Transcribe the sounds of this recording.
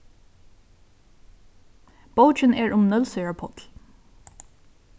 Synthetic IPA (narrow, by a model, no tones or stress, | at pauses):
b̥oʊt͡ʃəneːɹʔʊmnœlsœʏɹəpʰɔt̪l̩